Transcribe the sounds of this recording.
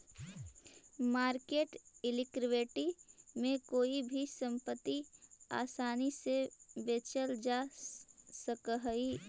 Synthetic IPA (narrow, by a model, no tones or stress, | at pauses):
maːɾkeːʈɪlɪkɾɪʋeːʈimẽkoːibʱisə̃mpət̪ːia̰ːsaːnisebeːt͡ʃəld͡ʒa | səkɦəi